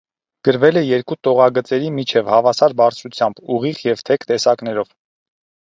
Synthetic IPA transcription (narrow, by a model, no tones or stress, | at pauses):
ɡ̥əɾvɛlɛjɛɾkut̪ɔʁɑɡət͡sɛɾimit͡ʃʰɛvhɑvɑsɑɾbɑɾt͡sʰɾut͡sʰjɑmbuʁiχjɛvt̪ʰɛkt̪ɛsɑknɛɾɔv̥